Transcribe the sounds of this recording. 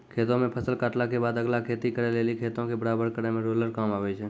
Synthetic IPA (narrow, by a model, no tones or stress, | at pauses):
kʰeːt̪õmẽpʰəsəlkaːʈlakebaːd̪əɡlakʰeːt̪ikəɾelelikʰeːt̪õkebəɽaːbəɾkəɾemẽɾoləɾkaːmaːʋet͡ʃʰe